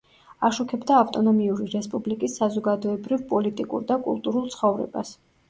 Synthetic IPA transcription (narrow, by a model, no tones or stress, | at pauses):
aʃukʰɛbd̪aːft̪ʼɔnɔmiuɾiɾɛspʼublikʼisːazɔɡad̪ɔɛbɾivpʼɔlit̪ʼikʼṵɾd̪akʼṵlˠt̪ʼuɾulˠt̪sχɔvɾɛ̰ba̰s